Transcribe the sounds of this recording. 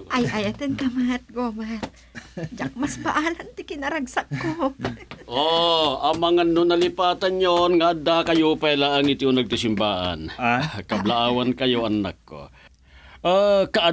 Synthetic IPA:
ʔajʔajɐt̪ɛnkɐmat̪̚ɡomat̪̚ | d͡ʒak̚mɐsbɐʔaːlɐnt̪ɪkɪnɐɾɐɡsakkːo | ʔoɐŋmɐŋanonɐlɪpaːt̪ɐnjonŋaʔad̪akɐjopɛlaʔɐŋit̪ionɐɡ̚t̪isɪmbaːʔa̰nkɐblaʔaːwɐnkɐjoʔɐnakːo̰ | ʔakɐʔa

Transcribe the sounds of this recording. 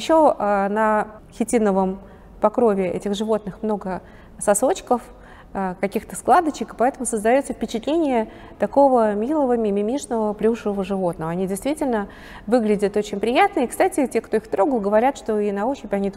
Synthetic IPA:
ɪɕːonə | xʲɪtʲinəvəm | pɐkɾo̞vʲɪɛ̰tʲɪxʐɨvo̞t̪̚nɨxmno̞ɡə | sɐso̞t͡ɕkəf | əkɐkʲixt̪əsklˠad̪ət͡ɕɪkɨ̥pɐɛt̪əmʊsəzd̪ɐjo̞t̪səfpʲɪt͡ɕɪt̪lʲenʲɪjə | t̪ɐko̞vəmʲilˠəvəmʲɪmʲɪmʲiʂnəvəplʲuʂɨvəvəʐɨvo̞t̪nəvəɐnʲidʲɪjst̪vʲitʲɪlʲnə | vɨɡlʲɪdʲət̪o̞t͡ɕɪnʲpɾʲɪjat̪nəikst̪atʲɪtʲe̞kt̪o̞ixt̪ɾo̞ɡlˠɡəvɐɾʲat̪ʂt̪o̞inɐoɕɪpʲɐnʲi

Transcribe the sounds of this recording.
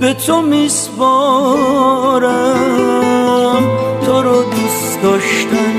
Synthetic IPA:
bet̪ʰomispɔ | ɾa | mt̪ʰoɾɔd̪us | d̪ɔʃt̪am

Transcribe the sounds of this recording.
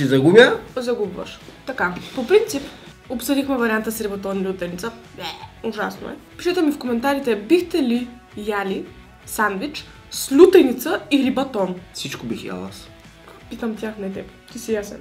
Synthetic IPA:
sizɐɡumjəzɐɡubvɐ̰ʃt̪ɐkapopɾint̪sip | opsəd̪ixmɛvɐɾʲiant̪əsɾibɐt̪ɔnilʲut̪ɛnit̪sə | uʒasno̰ɛ̰piʃɛt̪ɛmifkomɛnt̪aɾit̪ɛbixt̪ɛli | jali | sanvit͡ʃ | slʲut̪ɛnit̪səiɾibɐt̪ɔnfsit͡ʃkobixja̰lˠa̰s | pit̪əmt̪ʲjaxnɛt̪ɛp | t̪isijasɛ̰n

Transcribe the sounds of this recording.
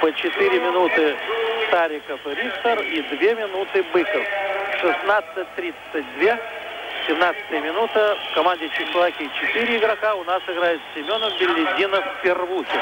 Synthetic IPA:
pət͡ɕɪt̪ɨɾʲɪmʲɪnut̪ɨst̪aɾʲɪkəfɾʲikt̪ərid̪vʲe̞mʲɪnut̪ɨbɨkəfʂɨsnat̪sɨt̚ʲt̪ːɾʲit̪sət̚ʲd̪vʲe | sʲɪmnat̪sə̥t̪əjəmʲɪnut̪əfkɐmanʲdʲɪt͡ɕɪxlɐakʲɪt͡ɕɪt̪ɨɾʲɪɪɡɾɐkaʊnasɨɡɾajɪt̪sʲɪmʲo̞nəvbʲɪlʲːɪdʲinəfʲpʲɪrvukʲɪ

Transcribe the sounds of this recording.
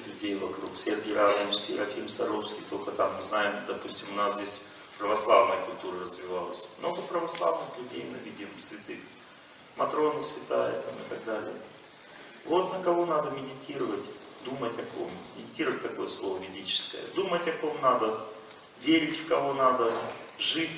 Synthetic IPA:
xlʲʉdʲejvɐkɾṵksʲerɡʲɪjɾanʲɪnʂsʲkʲiɾɐfʲimsɐɾofskʲijt̪okət̪amːɨznajɪmd̪ɐpusʲtʲɪmʊnaszdʲesʲpɾəvɐslˠavnəjəkʊlʲt̪uɾərəzvʲɪvalˠəsʲmno̞ɡəpɾəvɐslˠa̰vnɨxlʲʉdʲejmɨvʲidʲɪmsvʲɪt̪ɨx | mʔɐt̪ɾo̞nɨsvʲɪt̪ajə̰t̪amɨt̪ɐɡd̪alʲɪ̰jə | vo̞t̪nəkɐvo̞nad̪əmʲɪdʲɪtʲʰiɾəvətʲ | d̪umətʲɐko̰mːʲɪdʲɪtʲiɾəvət̚ʲt̪ɐko̞jəslˠo̞vəvʲɪdʲit͡ɕɪ̥skə̰jə̰d̪umətʲɐko̞mnad̪ə | vʲeɾʲɪtʲfkɐvo̞nad̪əʐɨtʲ

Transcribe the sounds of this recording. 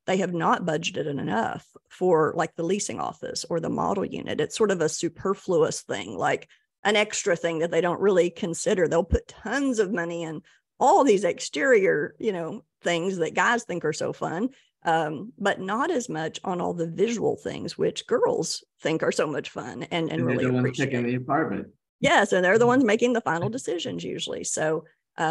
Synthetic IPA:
ðeɪɨvnət̚b̥ʌd͡ʒdɨɾɨɾɨ̰nʌ̰fə˞laɪk̚ðəlisɪ̰̃ŋɔ̰fɨ̰sə˞ðə̰mɑ̰ɾl̩ˠjʉ̰̃nɨ̰ɾɨtsɔɹɾʌvəsʉpʰɜ˞fluə̰sθɪ̰̃ŋla̰ɪk | ʔɨ̃nɛkstɹ̥ɨθɪ̃ŋðɨt̪̚ðeɪɾõʊ̃nʔɹɪlˠikʰɨ̃nsɪɾə˞ðeɪlˠpʰʊtʰʌ̃nzʌvmʌniɨ̃n | ʔɔlˠðizɨkstɪɹiə˞jɨnoʊ | θɪ̃ŋzðɨt̚ɡ̥aɪz̥θɪ̃ŋkə˞soʊfʌ̰̃n | ʔʌ̃mbʌtⁿnəɾɨzmʌt͡ʃn̩ɔ̰lˠðəvɪʒəwl̩ˠθɪ̰̃ŋzwɪt͡ʃɡ̥ɜ˞l̩ˠz̥ | θɪ̃ŋkə˞soʊmʌt͡ʃfʌ̰̃nɨ̃nɨ̰̃nɪliəwʌ̃nɹieɪkɪ̃ŋðiɨpʰɑɹmɨ̰̃t̚ | jɛsɨ̃nðə˞ðəwʌ̃nzmeɪkɪ̃ŋðəfãɪ̃nl̩ˠdɨsɪʒɨ̰̃nzjʉ̰ʒl̩ˠḭsoʊ | ʔʌ

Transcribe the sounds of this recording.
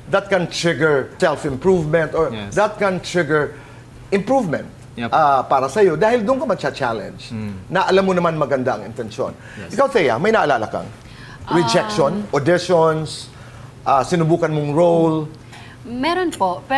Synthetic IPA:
d̪ɐt̪̚kɐnt̪ɹɪɡɛɹsɛlfɪmpɹuvmɛ̃nt̪ɔɹd̪ɐt̪̚kɐnt̪ɹɪɡɛɹ | ʔɪmpɹuvmɛ̃nt̪̚ | ʔapaːɾɐsɐjo̞d̪aːhɪld̪ʊnkɐmɐt͡ʃat͡ʃalɛ̰nd͡ʒnɐʔɐlamːonɐmanmɐɡɐnd̪aʔɐŋɪ̰nt̪ɛnʃo̰n | ʔɪkawsɛja̰mɐjnaʔːɐlaːlɐkɐ̰ŋ | ɹɪd͡ʒɛk̚ʃonʔod̪ɪʃons | ʔasɪnʊbuːkɐnmoŋɹowl | mɛɾonpopɛ

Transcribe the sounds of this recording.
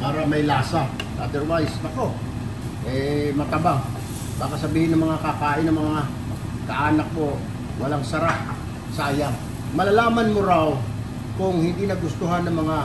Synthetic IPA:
paːɾɐmɐjlaːsaʔad̪ɛɾwajsɐko̞ | ʔɛmɐt̪ɐbaŋ | baːkɐsɐbiːhɪnɐŋmɐŋakakaːʔɪnːɐŋmɐŋa | kɐʔaːnɐk̚mo̞ | wɐlaŋsɐɾaʔ | saːja | mɐlalaːmɐnmʊɾaw | kʊŋhɪnd̪inɐɡʊst̪ʊɦanːɐŋmɐŋa

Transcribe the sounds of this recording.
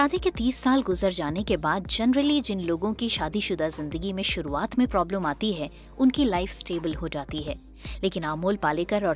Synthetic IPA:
ʃaːd̪eket̪iːsːaːlɡʊzəɾd͡ʒaːnekebaːd̪̚d͡ʒɐnɾəlid͡ʒɪnloːɡõkiʃaːd̪iʃʊd̪azɪ̃nd̪əɡimẽʃʊɾuaːt̪mẽpɾɔːbləmaːt̪iɦɛ | ʊnkilaɪfsʈeːbəlɦod͡ʒaːt̪iɦɛː | leːkɪnaːmoːlpaːlekəɾɔːɾ

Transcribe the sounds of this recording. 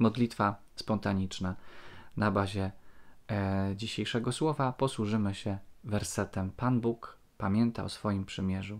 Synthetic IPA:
mɔd̪lʲit̪fa | spɔnt̪aɲit͡ʂnanabaʑɛ | d͡ʑiɕejʂɛɡɔswɔvapɔswuʐɘmɘɕɛvɛɾsɛt̪ɛmpanbuk | pamʲjɛnt̪a̰ɔsfɔjimpʂɘmʲjɛʐu

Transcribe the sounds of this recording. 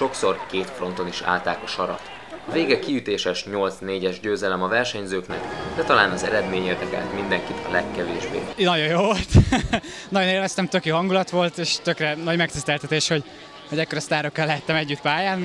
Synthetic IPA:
ʃo̞kso̞rkeːt̪fro̞n̪t̪o̞niʃa̰ːlt̪aːkɒʃɒɾɒ̰t̪ | ɒveːɡɛkiyt̪eːʃɛʃɲo̞lt̪sneːɟɛʒɟøːzɛlɛmɒvɛrʃɛɲzøːknɛ̰kd̪ɛt̪ɒlaːnɒzɛɾɛd̪meːɲerd̪ɛka̰ːt̪mind̪ɛŋkit̪ʰɒ̰lɛkːɛveːʒbḛːnɒɟo̞joːolt̪ | nɒɟo̞neːlvɛst̪ɛmt̪ø̞kjoːɦɒŋɡulɒt̪ʋo̞lt̪eːʃt̪økrɛnɒɟmɛk̚t̪ist̪ɛlt̪ɛt̪eːʃho̞ɟ | hoɟɛkːoɾɒst̪aːɾo̞kːɒlɛɦɛt̪ːɛmɛɟːyt̪paːjaːn

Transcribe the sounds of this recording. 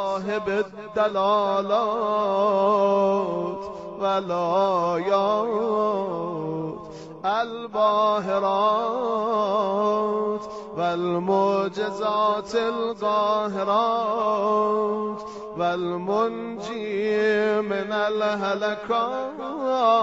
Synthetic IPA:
ɦebed̪ːalɑːlɑ | t̪ʰ | valɑːjɔː | t̪ | ʔalbɑːɦɪɾɑː | t̪ | ʋalmod͡ʒɪzɑːt̪ʰelɣɑːɦeɾɑː | t̪ | valmon | d͡ʒiː | mɪnalɦalakʰɑː

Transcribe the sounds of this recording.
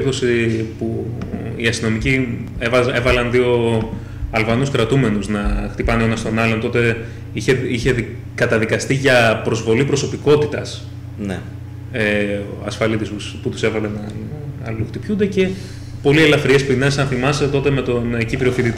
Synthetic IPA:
kosipuḭɐst̪ino̞nici | evɐevɐlɐnðio̞ | ɐlvɐnuskɾɐt̪ume̞nuznɐxt̪ipɐneo̞nɐst̪o̞nɐlo̞nt̪o̞t̪e̞ | içeiçe̞ | kɐt̪ɐðikɐst̪iʝɐpɾo̞zvo̞lipɾo̞so̞piko̞t̪it̪ɐs | n | ɐsfɐlit̪isusput̪u̥se̞vɐlenɐɐluxt̪ipçund̪e̞ce̞ | po̞lie̞lɐfɾie̞spine̞sɐnθimɐset̪o̞t̪e̞me̞t̪o̞necipɾoθit̪it̪

